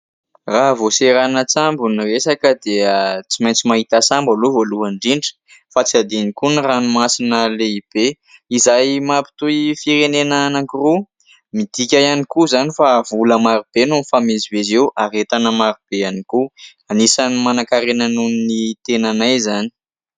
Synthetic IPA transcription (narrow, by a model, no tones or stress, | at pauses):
raɦvoseɾanət͡sambuniresakəd̪eət͡simajnt͡simaɦit̪asambaluvoluaɳɖ͡ʐiɳɖ͡ʐə̥fat͡siad̪enikuniranimasinəleib̥e | izajmapi̥t̪uifiɾenenanaŋkuru | mid̪̥ikʲajanikuzanifavuləmaɾub̥enonfamezivezewaɾet̪anəmaɾub̥eaniku | anisanimanakaɾenanuninit̪enanajzani̥